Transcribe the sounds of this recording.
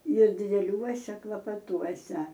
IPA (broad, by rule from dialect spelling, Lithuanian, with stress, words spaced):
ɪr dʲɪdʲɛˈlʲuɔsʲɛ klˠɐpɐˈtuɔsʲɛ